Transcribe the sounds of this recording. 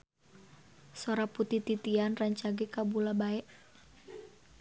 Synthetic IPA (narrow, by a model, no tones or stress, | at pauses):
soɾaput̪it̪it̪ianraɲt͡ʃaɡɛkabulabaɛʔ